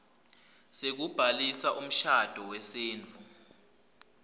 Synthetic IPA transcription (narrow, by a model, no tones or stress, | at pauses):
sek̬ub̥ʱalisaʔum̩ʃad̥ʱɔwɛseːnd͡vʱu